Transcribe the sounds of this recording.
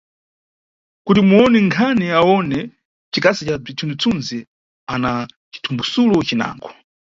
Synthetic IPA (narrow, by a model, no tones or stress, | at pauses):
kutimuɔnɛŋkʰanɛawɔnɛ | t͡ʃikasit͡ʃab͡ʐit͡sʰund͡zit͡sʰunzi | ana | t͡ʃi̥tʰumbusulɔt͡ʃina̰ːŋɡɔ